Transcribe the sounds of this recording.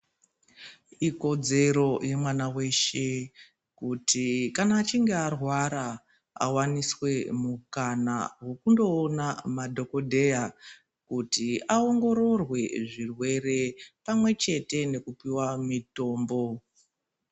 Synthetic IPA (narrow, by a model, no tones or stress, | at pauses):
iko̞d͡ze̞ɾo̞jemwanawe̞ʃe̞ | kutʰikanaːt͡ʃiŋɡe̞arwaɾa | a̰waniswe̞mukana̰wo̞kundo̞ːnamadʱo̞ko̞dʱe̞ja | kutiao̞ŋɡo̞ɾo̞rwe̞ʐirwe̞ɾe̞pamwe̞t͡ʃe̞te̞ne̞kupiwamito̞ːmbo̞